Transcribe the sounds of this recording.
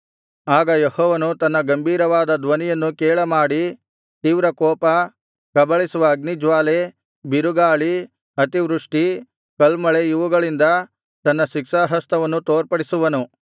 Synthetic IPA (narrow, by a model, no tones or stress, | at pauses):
aːɡɐjehɔːʋɐnut̪ɐnːɐɡɐmbʱiːɾɐʋaːd̪ɐd̪ʋɐnijɐnːukeːɭɐmaːɽi | t̪iːʋɾɐkɔːpɐ | kɐbɐɭisuʋɐːɡnid͡ʒʋaːle | biɾuɡaːɭi | ɐt̪iʋɾuʂʈi | kɐlmɐɭejuʋuɡɐɭind̪ɐ | t̪ɐnːɐʃikʂaːɦɐst̪ɐʋɐnːut̪oːɾpɐɽisuʋɐnu